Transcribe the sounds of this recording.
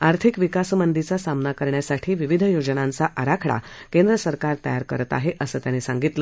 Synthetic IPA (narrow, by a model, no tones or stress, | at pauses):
aɾt̪ʰikʋikasmənd̪it͡sasamnakəɾɳjasaʈʰiːʋiʋid̪ʱəjod͡zənãnt͡saʔəɾakʰɽa̰kend̪ɾəsəɾkaɾt̪əjaɾkəɾət̪a̰ɦeʔəsəːt̪janisaŋɡit̪lə